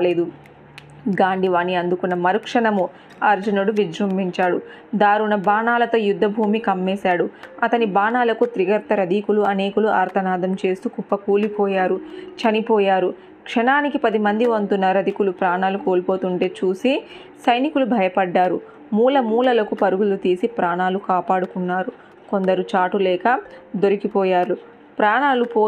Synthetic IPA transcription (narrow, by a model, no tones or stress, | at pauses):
aleːd̪u | ɡaːɳɖiʋaːniɐnd̪ukunːɐmɐɾukʂɐɳɐmu | ɐɾd͡ʒunɐɽuʋid͡ʒɾɐmbʱiɲt͡ʃaːɽu | d̪aːɾunɐbaːnaːlɐt̪oːjud̪ʱːɐbʱuːmikɐmːɛːsaːɽuɐt̪ɐnibaːnaːlɐkut̪ɾiɡɐɾt̪ɐɾɐd̪iːkuluɐne̞ːkuluʔa̰ːɾt̪ʰɐnaːd̪ɐmt͡ʃe̞ːst̪ukupːɐkuːlipɔːjaːɾut͡ʃɐnipɔːjaːɾu | kʂɐnaːnikipɐd̪imɐnd̪iʋɐnt̪unːɐɾɐd̪ikulupɾaːɳaːlukoːlpo̞ːt̪uɳʈe̞ːt͡ʃuːsi | sɐjnikulubʱɐjɐpɐɖːaːɾu | muːlɐmuːlɐlɐkupɐɾuɡulut̪iːsipɾaːɳaːlukaːpaːɽukunːaːɾu | ko̞nd̪ɐɾut͡ʃaːʈulɛːkɐd̪o̞ɾikipɔːjaːɾu | pɾaːɳaːlupoː